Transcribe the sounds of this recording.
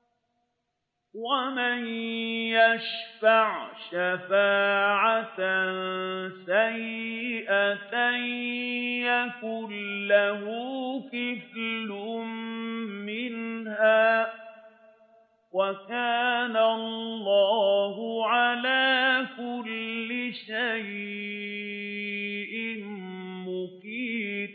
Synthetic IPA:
wamanjaʃfaʕʃafaːʕat̪nsajɪʔaan | jakʊlːaɦʊːkɪflʊmmɪnɦaː | wakaːnallːɑːɦʊʕalaːkʊlːɪʃaj | ʔɪmmʊkiː

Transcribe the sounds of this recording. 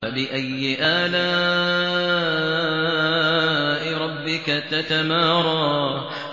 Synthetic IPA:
alɪʔajːɪʔaːlaː | ʔɪɾˤɑbːɪkat̪at̪amaːɾˤɑ

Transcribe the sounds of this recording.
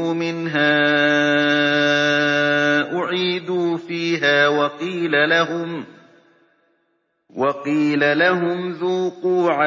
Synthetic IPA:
mɪnɦaː | ʔʊʕiːd̪uːfiːɦaːwɑqiːlalaʊm | wɑqiːlalaɦʊmðuːquːʕa

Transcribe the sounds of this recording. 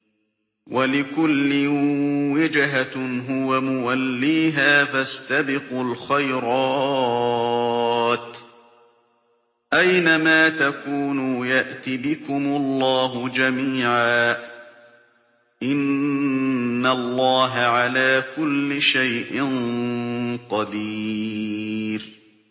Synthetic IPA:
wʔalɪkʊlːɪwɪd͡ʒɦaɦʊwamʊwalːiːɦaːfast̪abɪqʊlxajɾɑː | t̪ | ʔajnamaːt̪akuːnuːjaʔt̪ibɪkʊmʊlˤːɑːɦʊd͡ʒamiːʕaː | ʔɪn | alˤːɑːɦaʕalaːkʊlːɪʃajʔɪn | qɑd̪iː | ɾ

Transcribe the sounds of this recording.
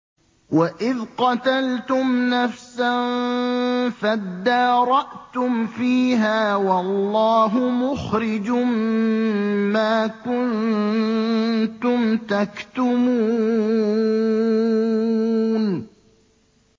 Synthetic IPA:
waʔɪðqɑt̪alt̪ʊmnafsan | fad̪ːɑːɾˤɑʔt̪ʊmfiːɦaːwɑlːɑːɦʊmʊxɾɪd͡ʒʊmː | aːkʊn | t̪ʊmt̪akt̪ʊmuː | n

